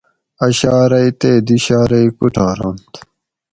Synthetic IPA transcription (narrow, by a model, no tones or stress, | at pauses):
ɐɕaːɾɐit̪eːd̪iɕaːɾɐikuʈʰaːɾont̪